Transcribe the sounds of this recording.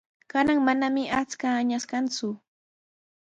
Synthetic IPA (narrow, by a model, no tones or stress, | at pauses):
kanaŋmanamɪʔat͡skaːɲaskant͡sʊ